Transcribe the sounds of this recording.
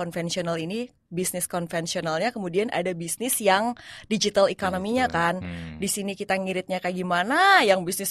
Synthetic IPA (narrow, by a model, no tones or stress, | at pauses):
ɔnfɛnsionalini | bisnɪskɔnfɛnsionalɲakəmudianʔa̰dabisnɪsjaŋdid͡ʒit̪alikonomiɲakandisinikit̪aŋiɾɪt̪̚ɲakaɡimanajaŋbisnɪs